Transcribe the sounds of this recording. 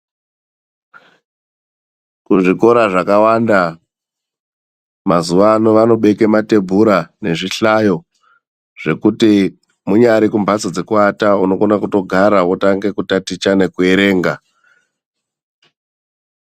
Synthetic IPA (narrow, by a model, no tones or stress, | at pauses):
kuʐiko̞ɾaʐakawanda | mazuʋaːnoʋano̞ɓe̞kemate̞bʱuɾane̞ʐiɬajo̞ | ʐ̥e̞kuti | muɲaɾikumbʱat͡sod͡zekuatauno̞konakuto̞ɡʱaɾaotaŋɡe̞kutatit͡ʃanekue̞ɾe̞ːŋɡa